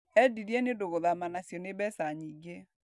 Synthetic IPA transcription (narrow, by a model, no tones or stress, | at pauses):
ɛdiɾiɛnedoɣoðamanasjɔneβɛsaɲiːɡe